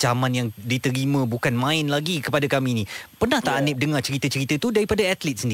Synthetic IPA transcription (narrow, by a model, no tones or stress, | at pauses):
d͡ʒamanjaŋdit̪əɾimãbukanmãɪnlaɡikəpadakaminĩpərnaht̪aʔanɪp̚dəŋat͡ʃəɾit̪ət͡ʃəɾit̪ət̪udaɾipadaat̪lit̪̚səndi